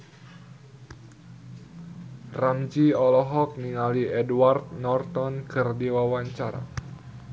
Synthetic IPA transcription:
ramd͡ʒiɔlɔɦɔk̚niŋaliɛdwart̪̚nɔrt̪ɔnkɨrdiwawaɲt͡ʃaɾa̰

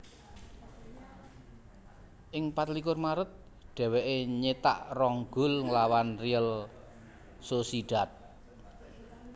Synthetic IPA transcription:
ʔɪŋpat̪lik̬ʊrmaɾət̪̚ | ɖ̥ɛ̤weʔeɲet̪a̰ʔrɔŋɡ̥ʊ̤lŋlawanriəl | sosiɖ̥a̤t̪̚

